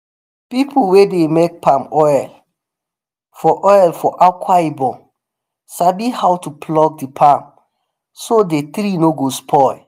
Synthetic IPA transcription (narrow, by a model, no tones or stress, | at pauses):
pipʰulwedemek̚pãmɔjl | fɔʔɔjlfɔʔakʰwaibɔ̃ | sabihawtuplɔk̚dipʰãm | sodet̪ɾinoɡospʰɔ